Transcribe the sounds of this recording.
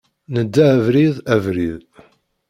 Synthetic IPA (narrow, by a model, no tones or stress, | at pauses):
nəd̪ːævɾiðævɾið